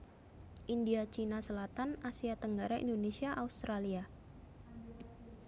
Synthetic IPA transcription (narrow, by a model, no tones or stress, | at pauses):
ʔindiat͡ʃinasəlat̪anasiat̪əŋɡaɾaʔḭndonesiaʔaust̪ɾalia